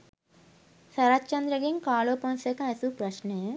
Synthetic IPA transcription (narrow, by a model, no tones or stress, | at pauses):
sɐɾaːtːt͡ʃɐnd̪ɾɐɡeŋkaːloːpɐnsekaːesupɾɐʃneː